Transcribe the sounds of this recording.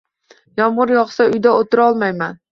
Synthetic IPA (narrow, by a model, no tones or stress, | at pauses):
jɒmʁʊɾjɒχsaʊjd̪aot̪ʰɪɾɒlˠmajman